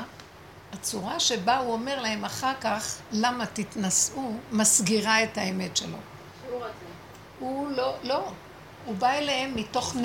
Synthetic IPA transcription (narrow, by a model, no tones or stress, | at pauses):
at͡suʁaʃe̞bauo̞me̞ʁlahe̞maχaʁkaχlamat̪it̪nasumasɡiʁae̞taeme̞tʃelo̞̰ | hulolo̞ | ubaeleemːito̞χn